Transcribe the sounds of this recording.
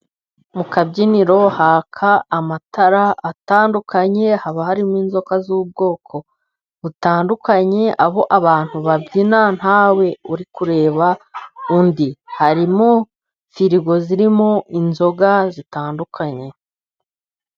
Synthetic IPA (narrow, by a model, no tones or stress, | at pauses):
mukabɟiniɾo̞haːkʰaːmatʰaɾaataːndukʰaɲe̞haβahaɾimwiːnzo̞kazuːb̚ɡo̞ːkʰo̞ | βutaːndukaɲe̞ʔaβo̞ʔaβaːn̥huβabɟinan̥hawe̞uɾikuɾe̞ːβaundihaɾimo | fiɾiɡo̞ziɾimoʔinzo̞ɡazitaːndukʰaɲe̞